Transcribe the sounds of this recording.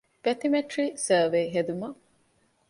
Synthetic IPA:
b̥ɐt̪imeʈɾiːsɐːʋejɦed̪umɐ

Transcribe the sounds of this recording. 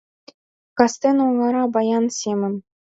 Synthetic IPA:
kɑst̪enuŋɑɾɑbɑjɑnsʲemɘ̆m

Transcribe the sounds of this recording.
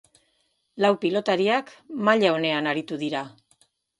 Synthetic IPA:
lawpilo̞t̪aɾiakmaʎao̞ne̞anaɾit̪uðiɾa

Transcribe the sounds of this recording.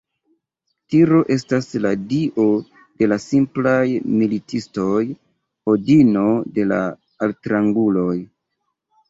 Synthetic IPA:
tiɾo̞ʔe̞stasladiʔo̞ | de̞lasimplajmilitʰisto̞j | hodino̞de̞la̰ | altɾaŋɡulo̞j

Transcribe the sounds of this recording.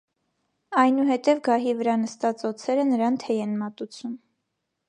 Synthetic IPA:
ɑjnuɦɛt̪ɛvɡɑɦivəɾɑnəst̪ɑt͡sɔt͡sʰɛɾənəɾɑnt̪ʰɛjɛnmɑt̪ut͡sʰum

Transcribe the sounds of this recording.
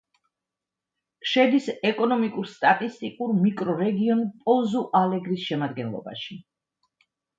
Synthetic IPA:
ʃɛd̪isɛkʼɔnɔmikʼuɾst̪ʼat̪ʼist̪ʼikʼuɾmikʼɾɔɾɛɡiɔnpʼɔzuʔalɛɡɾisʃɛmad̪ɡɛnlˠɔ̰ba̰ʃi

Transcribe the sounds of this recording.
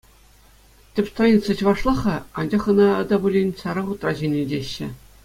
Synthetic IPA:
tʲɘ̆pʲst̪anʲit̪sɑt͡ɕʋɑʂlˠɑχɑɑnd͡ʑɑχɤ̆nɑɤ̆d̪ɑbulʲenʲsɑɾɑʁut̪rɑʑenʲedʲeɕːɘ̆

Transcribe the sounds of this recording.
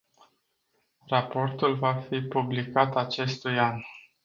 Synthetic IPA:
rapo̞rt̪ulvafipublikat̪at͡ʃe̞st̪ujan

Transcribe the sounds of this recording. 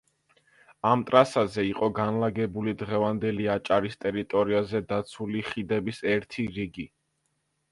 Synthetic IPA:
amt̪ʼɾasazɛiqʼɔɡanlaɡɛbulid̪ʁɛvand̪ɛliat͡ʃʼaɾist̪ʼɛɾit̪ʼɔɾiazɛd̪at̪sʰuliχid̪ɛbisɛɾt̪ʰiɾiɡi

